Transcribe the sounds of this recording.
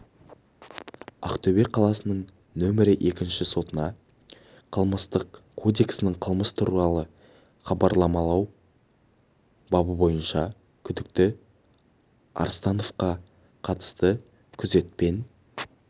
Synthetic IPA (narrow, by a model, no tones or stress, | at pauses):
ɑ̰qt̪ʰɵbe̞qʰɑlˠɑsənəɴ | nɵmɪɾɪʔe̞kʲɪnʃɪso̞t̪ənɑ | qʰəlˠməst̪əqkʰo̞d̪e̞ksɪnɪɴqʰəlˠməst̪ʰuɾuɾɑlˠə | χɑbɑɾlˠɑmɑlˠɑw | bɑbəbo̞jənʃɑ | kʲʰʏd̪ɪk̚t̪ɪ | ɑ̰ɾst̪ɑno̞vqɑ | qʰɑt̪ə̥st̪ə | kʲʰʏze̞t̪̚pe̞n